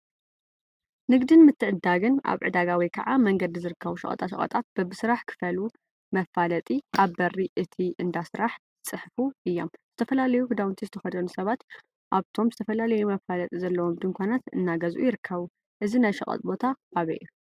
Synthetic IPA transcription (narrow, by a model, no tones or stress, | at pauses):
nɨɡd̪ɨnmɨt̪ʰːɨʕɨd̪aɡɨnʔa̰βʕɨd̪aɡawijkʰɐʕamɐŋɡɐd̪izɨɾɨkʰːɐβuʃɐ̰χʼɐ̰t̪ʼaʃɐ̰ɐ̰t̪ʼat̪̚b̥ɐbɨsɨɾaħkʰɨ̥fɐlu | mɐfalɐt̪ʼiʔaβbɐrːiʔɨt̪ʰiʔɨnd̪asɾaħ | ɨt͡sʼɨħfuʔɨjːo̞mzɨ̥t̪ʰɐfɐlalɐjuhɨd̪awnt̪ʰizɨt̪ʰɐxɐd̪onusɐβat̪ | ʔaβt̪ʰo̞mzɨt̪ʰɐfɐlalɐjumɐfalɐt̪ʼizɐlːɐwo̞md̪ɨŋkʷʰanat̪ɨ̰nːaɡɐzʔṵjɪɾɨkʰːɐβu | ʔɨzinajʃɐkʼɐ̰t̪ʼbo̞t̪ʰaːβɐ̰ʔjːu